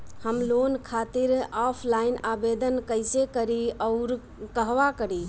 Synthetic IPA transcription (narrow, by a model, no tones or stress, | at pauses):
həmlonkʰat̪iɾɔpʰlainabed̪ənkəɪsekəɾiɔʊɾ | kəɦʋakəɾi